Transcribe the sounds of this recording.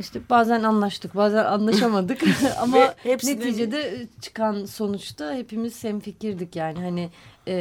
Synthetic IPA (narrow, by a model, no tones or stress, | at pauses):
iʃt̪ʰɛbaːzænanlˠaʃt̪ʰɯk̚baːzæna̰nlˠaʃamad̪ɯka̰mane̞t̪ʰiːd͡ʒed̪ɛt͡ʃʰɯ̥kanso̞nut͡ʃt̪ahe̞pimiz̥sɛmficiɾd̪icjaːnɪɦanɪ